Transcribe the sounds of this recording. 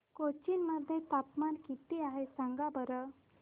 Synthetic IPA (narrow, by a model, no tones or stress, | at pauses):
kot͡ɕinməd̪ʱːjet̪apmankit̪iaɦesaŋɡabəɾə